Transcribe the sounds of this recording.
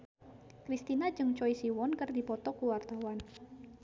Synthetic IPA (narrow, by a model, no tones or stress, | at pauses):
kɾist̪inad͡ʒɨŋt͡ʃɔisiwɔnkərdipɔt̪ɔkuwart̪awan